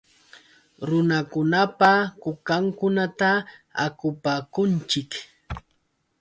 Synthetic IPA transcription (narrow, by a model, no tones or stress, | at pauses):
ɾʊnakʊnapakʊkaŋkʊnat̪aa̰kʊpaːkʊnt͡ʃɪk